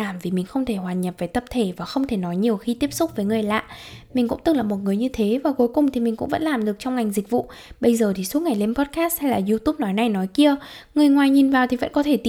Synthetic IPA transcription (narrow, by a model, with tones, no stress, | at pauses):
aː˨˧˩mvi˨˩mï˨˩ŋ̟xə˧wŋ͡mt̪ʰe˧˩hwaː˨˩ɲə˨˩p̚vəː˨˦jt̪ə˧˩p̚t̪ʰe˧˩vaː˨˩xə˧wŋ͡mt̪ʰe˧˩nɔ˨˦jɲi˨˩əwxi˧t̪i˦˥əp̚sʊ˦˥k͡p̚vəː˨˦jŋɨ˨˩əjla̰ː˧˨mi˨˩ŋ̟kʊ̰˧˥ŋ͡mt̪ɨ˨˩ŋlaː˨˩mo˨˩t̚ŋɨ˨˩əjɲɨ˧t̪ʰe˨˦vaː˨˩ku˨˦jkʊ˨˩ŋ͡mt̪ʰi˨˩mï˨˩ŋ̟kʊ̰˧˥ŋ͡mvə̰˧˥nlaː˨˩mɗɨ˨˩ək̚t͡ɕɔ˧wŋ͡mŋa˨˩jŋ̟zi˨˩k̟̚vṵ˧˨ | ɓə˧jzəː˨˩t̪ʰi˨˩su˦˥k̚ŋa˨˩jle˧mpɔ˦˥t̚kaː˦˥st̚hjlaː˨˩zu˧t̪u˦˥p̚nɔ˨˦jna˨˩jnɔ˨˦jki˧ə | ŋɨ˨˩əjŋwaː˨˩jɲi˨˩nvaː˨˩wt̪ʰi˨˩və̰˧˥nkɔ˨˦t̪ʰe˧˩t̪i˧˥